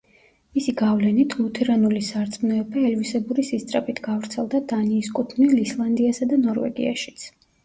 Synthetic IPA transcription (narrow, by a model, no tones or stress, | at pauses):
misiɡavlɛnit̪ʰlˠut̪ʰɛɾanulisaɾt̪sʼmnɔɛbaɛlvisɛbuɾisist̪sʼɾɛpʼit̪ʰɡavɾt̪sʰɛlˠd̪ad̪aniːskʼut̪ʰnilislˠand̪iasad̪anɔɾvɛ̰ɡḭa̰ʃi̥t̪sʰ